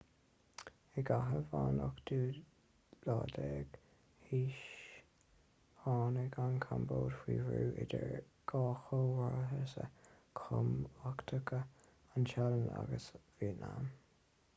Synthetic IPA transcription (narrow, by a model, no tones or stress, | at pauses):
ɛɡaɦəvaːnɔkd̪uː | lɑːd̪ɛːɡ̥ | hiːʃ | hɑːnəɡankʰamboːdxwiːvɹuːʔɪdəɹ | ɡ̥ɑːxowaɹɦəsəkʰʊmakt̪ʰəkʰə | anʃaɾəna̰ɡəsviːnam